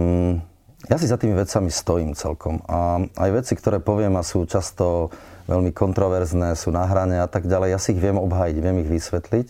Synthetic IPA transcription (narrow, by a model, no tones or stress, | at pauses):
jasizat̪iːmiʋɛt͡samist̪ɔjiːmt͡sɛ̰lkʰɔmaa̰jʋɛt͡sikt̪ɔɾɛːpɔʋɪɛmasuːt͡ʃast̪ɔʋɛlmikɔnt̪ɾɔʋɛɾznɛːsuːnaɦɾaɲɛat̪aɡɟalɛjjasiːɣʋɪɛmɔbɦaːjiɟʋɪɛmiɣʋisʋɛt̪lic